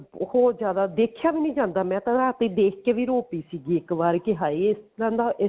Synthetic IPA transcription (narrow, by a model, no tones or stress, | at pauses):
hoːɾzjaːd̪aːd̪eːkʰjaːʋiːnĩːd͡ʒãːnd̪aːmɛ̃ːt̪ãaːt̪iːd̪eːkʰkeːʋiːɾoːpiːsiːɡiːɪkʋaːɾkɪɦaːiːɪsɾãːnd̪aːʔɪ